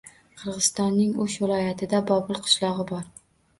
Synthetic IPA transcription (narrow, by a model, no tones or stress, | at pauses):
qʰɨɾʁɨzst̪ɒnːɪŋʊʃvɪlˠɒjat̪ʰɪd̪abɒbʊlˠqʰɨ̥ʃlˠɒʁɨbɒɾ